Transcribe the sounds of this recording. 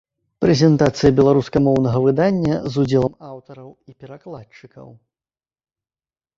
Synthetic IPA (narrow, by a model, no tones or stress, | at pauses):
pɾɛzʲɛnt̪at̪sɨjɐbʲɛlˠaɾuskɐmɔwnɐɣɐvɨd̪anʲːɐzud͡zʲɛlˠɐmawt̪ɐɾɐwipʲɛɾaklˠat͡ʂɨkɐ̰w